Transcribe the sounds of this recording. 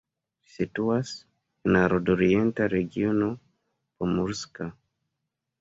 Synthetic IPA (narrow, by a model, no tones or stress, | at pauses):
situas | enaɾodoɾientaɾeɡiono | pomuɾska